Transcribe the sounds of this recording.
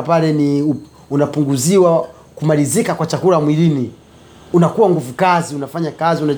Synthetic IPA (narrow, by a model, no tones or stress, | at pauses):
palɛniu | unapuŋɡuziwa | kumalizikakwat͡ʃakulamwilini | unakuwaŋɡuvukaziunafaɲakaziuna